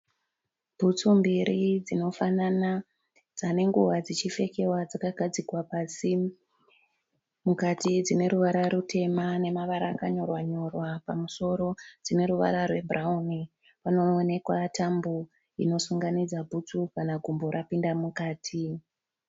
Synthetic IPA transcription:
b̥ʱut͡sumbiɾid͡zino̞fanana | d͡zane̞ŋɡuʋad͡zit͡ʃife̞ke̞wad͡zakaɡʱad͡zikwapaːsi | mukatid͡zine̞ɾuʋaɾaɾutʰe̞mane̞maʋaɾaːkaɲo̞rwaɲo̞rwapamuso̞ɾo̞d͡zine̞ɾuʋa̰ɾarwe̞bʱrauni | pano̞ːne̞kwatʰambo | ino̞suŋɡanid͡zabʱut͡sukanaɡʱumboɾʔapindamukaːtʰi

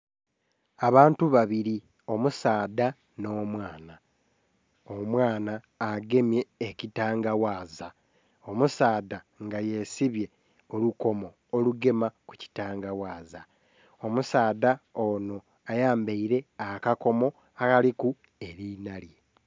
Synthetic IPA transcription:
aβaːntuβaβiɾi | o̞musaːda | no̞ːmwaːna | omwaːnaː | ɡe̞mje̞ːcitaːŋɡawaːza | o̞musaːda | ŋɡaje̞siβje̞ | oluko̞mo̞ːluɡe̞maku̥ci̥taːŋɡawaːza | o̞musaːdaono̞ | ajaːmbeiɾe̞akako̞mo̞ | akaliku | e̞ɾinalje

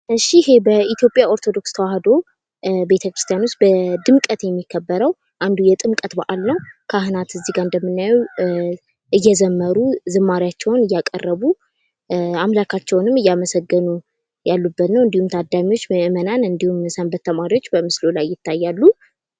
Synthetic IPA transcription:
ɨʃːihe̞bəit̪ʰjo̞pʼjaʔo̞ɾt̪ʰo̞d̪o̞kst̪ʰəwahd̪o̞ | be̞t̪ʰəkɾɨst̪ʰijanust̪̚bəd̪ɨmkʼət̪jɛmːikʰːəbːəɾəw | ʔand̪ujɛt̪ʼɨmkʼət̪baʔalnəwkʰaɦɨnat̪ɨzːiɡaɨnd̪əmːɨnːajɛw | ʔɨjːɛzəmːəɾuzɨmːaɾijat͡ʃːɛwnɨjːakʼə̰rːəβu | amlakʰat͡ʃːɛwnɨmːɨjːaməsəɡːənu | jalːubːət̪nəwɨnd̪ihumt̪ʰad̪amiwo̞t͡ʃːməʔɨmənanɨnd̪ihumsəmbət̪ʰːəmaɾiwo̞t͡ʃːbəmɨslolajːɪt̪ːajːalːu

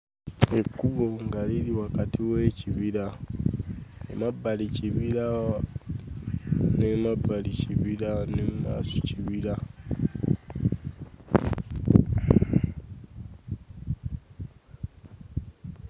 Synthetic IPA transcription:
ekːuβoŋɡaliliwakatʰiweːciβiɾa | ḛmabːaliciβiɾa | nemabːaliciβiɾanemːaːsociβiɾa

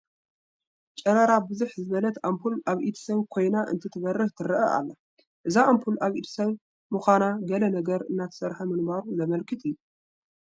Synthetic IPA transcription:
t͡ʃʼɐɾɐɾabɨzuħzɨβɐlɐt̪ampʰulʔaβʔit̪ʰi̥sɐβkʰo̞jnaʔɨ̰nt̪ʰɨt̪ʰɨβɐrːɨht̪ʰɨɾɨʔɐʔa̰lːɐ | ʔɨzaampʰulaβit̪ʰi̥sɐβ | muxʷanaɡɐlɐnɐɡɐɾɨnːat̪ʰɐ̥sɐɾħamɨŋbaɾuzɐmɐlkʰɨt̪ʰijːuu

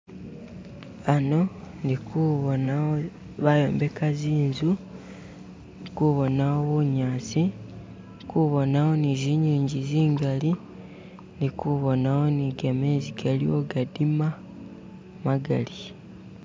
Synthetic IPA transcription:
ano̞ndikuβonao | βajo̞̰ːmbe̞kaziːnzu | kuβo̞naoβuɲaːt͡si | kuβo̞nao̞niziɲiːɲɟiziːŋɡali | ndikuβo̞nawo̞niɡameːziɡalio̞ɡadima | maɡa̰li

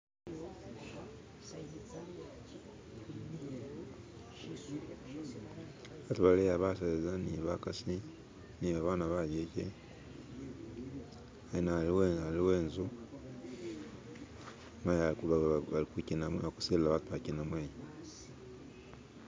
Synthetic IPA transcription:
βatuβalejaβaseezaniβakasi | niβaβaːnaβajecḛ | ainaliwealiweːnzu | majaβalikicinaaku̥selilaβatuβacinamweːje

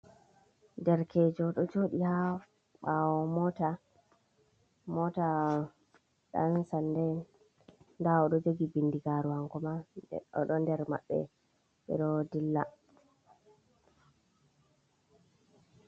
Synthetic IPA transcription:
ndɛɾkʰɛːd͡ʒɔɗɔd͡ʒoɗiha | ɓawɔmɔta | mɔta | ɗa̰nsandɛ | ndaɔɗɔd͡ʒoɡibindiɡaɾuwaŋkɔmaɔ̰ɗɔndɛɾma̰ɓːɛ̰ | ɛ̰ɾɔdilːa

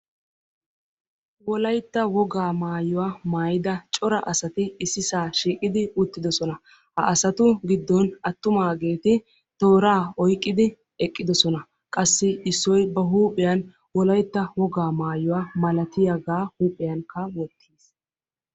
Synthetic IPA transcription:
wɔlɐjt̪ːɐwɔɡaːmaːjʊwamaːjɪd̪ɐt͡ʃʼɔɾɐʔɐsɐt̪ɪɪsːɪsaːʃiːkʼɪd̪ɪʊt̪ːɪd̪ɔsɔnɐ | hɐ̰ʔɐsɐt̪ʊɡɪd̪ːɔnɐt̪ːʊmaːɡe̞ːt̪ɪ | t̪o̞ːɾaːɔjkʼːɪd̪ɪ | ɛkʼːɪd̪ɔsɔnɐ | kʼɐsːɪɪsːɔjbɐɦuːpʼɪjɐn | wɔlɐjt̪ːɐwɔɡaːmaːjʊwaːmɐlɐt̪ɪjɐɡaːhuːpʼɪjɐnkɐwɔt̪ʰːiːs

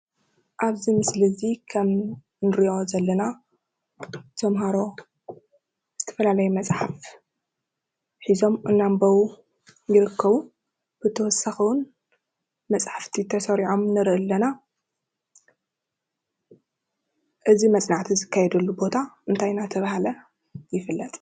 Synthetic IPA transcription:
ʔaβzimɨslɨzikʰɐm | nɨɾiʔo̞zɐlːɐna | t̪ʰɐmɦaɾo̞ | z̥ɨt̪ʰɐ̥fɐlalɐjumɐsʼħaf | ħizo̞mʔɨnːambɐwu | jɪɾɨkːɐβu | b̥ɨt̪ʰɐwɔsɐxɨwʊn | mɐt͡sʼħaft̪ʰit̪ʰɐsɐɾiʕo̞mnɨɾɨʔɨlːɐna | ʔɨzimɐt͡sʼnaʕt̪ʰizɨkʰːajɛd̪ɐlːubo̞t̪ʰaʔɨnt̪ʰajnat̪ʰɐβahalɐ | jɪfɨlːɐt̪ʼ

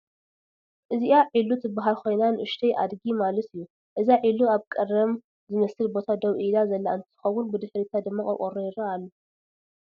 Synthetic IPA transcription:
ʔɨziʔaʕilut̪ʰɨbaɦalkʰo̞jnanʔɨʃt̪ʰɐjʔa̰d̪ɡimalɐt̪ɨjːu | ʔɨzaʕiluaβkʼɐɾɐm | zɨmɐsɨlbo̞t̪ʰad̪ɐwʔilazɐlːaɨnt̪ʰɨ̥xɐwʊnbɨd̪ɨħɾit̪ʰad̪ɨmːakʼɐkʼoɾojɪɾaːlːu

